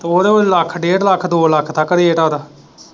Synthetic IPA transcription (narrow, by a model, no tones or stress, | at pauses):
t̪oːɾeoləkʰːɖeːɖləkʰːd̪oːləkʰt̪əkːəɾeːʈaːd̪aː